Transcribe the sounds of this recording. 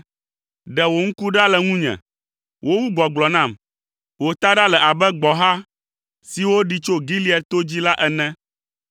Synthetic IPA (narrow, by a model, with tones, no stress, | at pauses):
ɖɛ˨wo˨ŋ̩˦ku˦ɖa˦lɛ˨ŋũ˦ɲɛ̰̃˨ | wʔo˦wu˦ɡ͡bɔ˨ɡ͡blɔ˨nã˦˨m | wo˨t̪a˦ɖa˦lɛ˨ʔa˨bɛ˦ɡ͡bɔ˨ɦa˦ | si˨wo˦ɖi˦t͡ʃo˦ɡi˦li˦ɛ˨t̪o˦d͡ʑi˦la˦ʔɛ˨nɛ̃˦